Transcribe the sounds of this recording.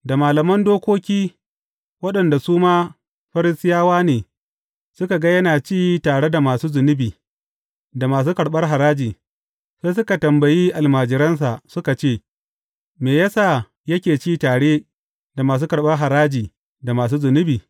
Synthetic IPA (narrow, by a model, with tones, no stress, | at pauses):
da˨maː˨lɐ˨mɐ˦ndoː˦kʷoː˦kʲiː˦ | wɐ˦ɗɐ˨nda˨suː˦maː˦ | ɸɐ˦ɾɪ˦sɪ˦jaː˦waː˦neː˨ | sʊ˦ka˨ɡa˦jɐ˦naː˨t͡ʃiː˦jtaː˨ɽe˦da˨maː˨suː˦zʊ˨nɪ˦biː˨ | da˨maː˨s̬uː˦kɐ˨ɽɓɐ˦rɦa˨ɾaː˦d͡ʒiː˨ | seː˦s̬ʊ˦ka˨tɐ˨mbɐ˨jiː˦ʔa˨lmaː˨d͡ʒɪ˨ɾɐ˦ns̬a˨ʔsʊ˦ka˨t͡ʃeː˦˨ | meː˨jɐ˦saː˦˨ | jɐ˦kʲeː˨t͡ʃiː˦˨taː˨ɽeː˦ | da˨maː˨s̬uː˦kɐ˨ɽɓɐ˦rɦa˨ɾaː˦d͡ʒiː˨ | da˨maː˨s̬uː˦zʊ˨nɪ˦biː˨